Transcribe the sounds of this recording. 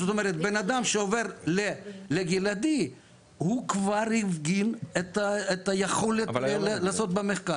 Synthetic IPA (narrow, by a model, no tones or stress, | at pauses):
zot̪omeʁet̪̚benad̪amʃeove̞ʁleleɡelad̪i | hukvaɾhifɡinet̪aet̪ajeχolet̪llaːso̞t̪̚bemeχkaɾ